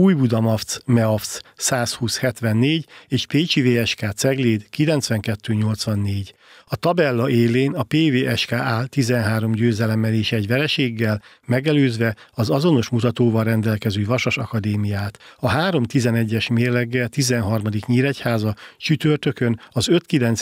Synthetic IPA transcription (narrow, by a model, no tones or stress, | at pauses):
uːjbud̪ɒmɒft̪smɛofssaːshuːshɛt̪ʋɛnːeːɟeːʃpeːt͡ʃiveːɛʃkaːt̪sɛɡleːd̪kilɛnt̪sʋɛŋkɛt̪ːøːɲo̞lt̪sʋɒnːeːɟ | ɒt̪ɒbɛlːɒeːleːnɒpeːveːʔɛʃkaːʔaːlt̪izɛnɦaːɾo̞mɟøːzɛlɛmːɛleːʃɛɟʋɛlɛʃeːɡːɛl | mɛɡɛløːzʋɛɒzɒzo̞no̞ʃmut̪ɒt̪oːvɒlrːɛnd̪ɛlkɛzøːvɒʃoʃɒkɒd̪eːmijaːt̪ɒɦaːɾo̞mt̪izɛnɛɟːɛʃmeːrlɛɡːɛlt̪izɛnɦɒrmɒd̪ikɲiːɾɛchaːzɒt͡ʃyt̪ørt̪ø̞kø̞nɒzø̞t̪kilɛnt̪s